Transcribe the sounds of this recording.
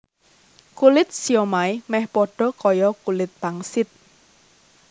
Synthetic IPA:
kulɪt̪̚sijɔmaimɛhpɔɖ̥ɔ̤kɔjɔkulɪt̪̚b̥aŋsɪt̪̚

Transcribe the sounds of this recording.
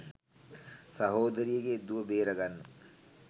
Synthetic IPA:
sɐɦoːd̪əɾijəɡed̪uʋəbeːɾɐɡanːə

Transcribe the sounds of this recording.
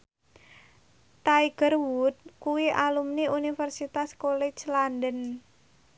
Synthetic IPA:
t̪aiɡ̥ərwut̪̚kuwiʔalumniunifərsit̪askolet͡ʃlandən

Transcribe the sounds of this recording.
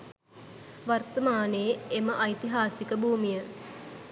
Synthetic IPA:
ʋart̪əmaːneeməʔajt̪iɦaːsikəbʱuːmijə

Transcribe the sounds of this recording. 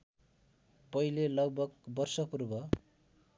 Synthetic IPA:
pʌilelʌɡbʱʌɡbʌrsʌpurbʌ

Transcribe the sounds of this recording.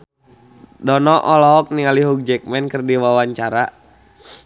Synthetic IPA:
dɔnɔʔɔlɔɦɔk̚niŋaliɦuk̚d͡ʒɛk̚mɛnkərdiwawaɲt͡ʃaɾa

